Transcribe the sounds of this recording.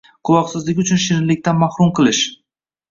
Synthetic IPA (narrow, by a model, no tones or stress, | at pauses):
qʰʊlˠɒqsɪzlɪkʲʊt͡ʃʰʊnʃɪɾɪnlːɪk̚ʲt̪anmahɾʊmqʰɨlˠɪʃ